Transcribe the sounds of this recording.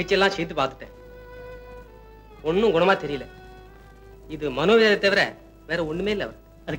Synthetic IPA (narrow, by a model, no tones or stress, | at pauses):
ɪt͡ʃːɪjɛlːãːsɛjt̪ːɯpaːɾt̪ɯ̥ʈːḛ̃ː | ɔɳːʊ̃ɡʊɳɐmaːt̪ɛɾɪjɪlɛ | ɪðɯmɐnoːʋɪɐðɐt̪ːɐʋɪɾɛ | ʋeːɾɐɔɳːɯmeːɪlːɐ̰ʋɐɾ | ɐ